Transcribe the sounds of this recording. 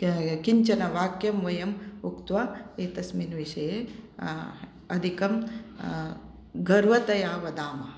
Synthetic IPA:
kiɲt͡ʃɐnɐʋaːkjɐmʋɐjɐmukt̪ʋaːeːt̪ɐsminʋiʃɐje | ɐd̪ʱikɐm | ɡɐɾʋɐt̪ɐjaːʋɐd̪aːmɐ

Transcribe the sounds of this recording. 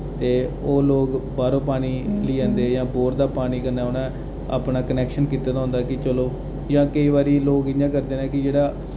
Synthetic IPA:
t̪eː | oːloːɡbaːɾõːpaːniːliːãːnd̪eːjãːboːɾd̪aːpaːniːkəɾnaːʊnãː | a̰ːpnaːkənɛːkʃənkiːt̪ːaːt̪aːɦʊ̃nd̪aːkɪt͡ʃəloː | jãːkəiːβaːɾiːloːɡɪjãːkəɾd̪eːnɛ̃ːkɪd͡ʒeːɽaː

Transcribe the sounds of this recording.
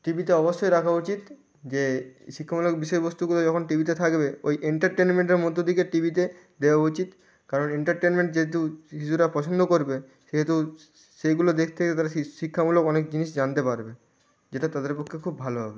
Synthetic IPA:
ʈibit̪eɔboʃːɔjɾakʰaut͡ɕit̪ | d͡ʑeʃikʰːamulokbiʃɔjbost̪uɡulod͡ʑɔkʰonʈibit̪̬et̪ʰakbeojʔeɳʈaɾʈenmeɳʈeɾmɔd̪ʱod̪ʱikeʈibit̪e | d̪eoaut͡ɕit̪ | kaɾoneɳʈaɾʈenmeɳʈd͡ʑeɦet̪̬uɦiʃuɾapɔt͡ɕʰond̪ʱokoɾbe | ʃeɦet̪u | ʃeɡulod̪ekʰt̪ʰeket̪aɾaʃikʰːamulokɔnek̚d͡ʑiniʃd͡ʑant̪epaɾbe | d͡ʑeʈat̪ad̪eɾpokʰːekʰubːʱaloɦɔ̰be

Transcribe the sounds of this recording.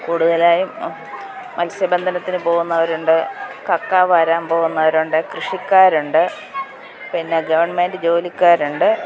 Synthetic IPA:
kuːɽuðɐlaːjumː | ɐlsjɐbend̪ʱɐnɐt̪ːinɨpo̞ːɣunːɐʋɐɾuɳɖɨkɐkːaːʋɐɾaːmpo̞ːɣunːɐʋɐɾuɳɖɨkrɨʂikʲːaːɾuɳɖɨ | pinːeɡɐʋɐɳmeːndɨd͡ʑo̞ːlikʲːaːɾuɳɖɨ

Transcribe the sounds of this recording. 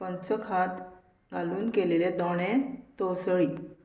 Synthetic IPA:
pənt͡səkʰat̪ | ɡaluːnkeleled̪ɔɽ̃ẽt̪osəɭiː

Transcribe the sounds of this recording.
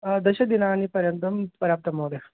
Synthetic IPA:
d̪ɐɕɐk̚d̪inaːnipɐɾjɐnt̪ɐmpɐɾaːp̚t̪ɐmoːd̪e

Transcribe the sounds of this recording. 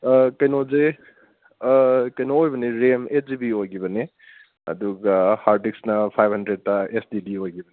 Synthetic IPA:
kɐjnoze | kɐjnoːjbɐneɾemeszibiojɡibɐne | ɐ̰d̪uɡahaɾdik̚snɐpʰajbʱhɐndɾed̚taesdidiojɡibɐni

